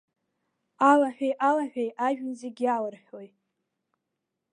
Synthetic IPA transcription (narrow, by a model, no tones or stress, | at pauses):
alaħᶣʷejʔalaħᶣejʔaʒᶣɪnzeɡʲalɨrħʲᶣo̞j